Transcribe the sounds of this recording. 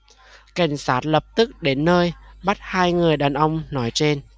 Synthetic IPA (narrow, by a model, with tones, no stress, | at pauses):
ka˨˩jŋ̟saː˦˥t̚lə˨˩p̚t̪ɨ˦˥k̚ɗe˨˦nːəː˧jɓa˦˥t̚haː˧jŋɨ˨˩əjɗaː˨˩nʔə˧wŋ͡mnɔ˨˦jt͡ɕe˧n